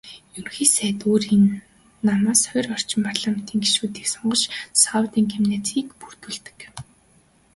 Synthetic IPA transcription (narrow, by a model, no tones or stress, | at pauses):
junxiːsæːt̪oːɾinː | amaːsœjrɔr̥t͡ɕɪ̆mpʰarɮaːme̥t̪ʰiːŋɡi̥ʃuːt̪iːksɔɴɢɞ̆ʃsawt̪iːŋkʰemneːt͡sʰiːkpur̥t̪ŭɮt̪ɘ̥̆k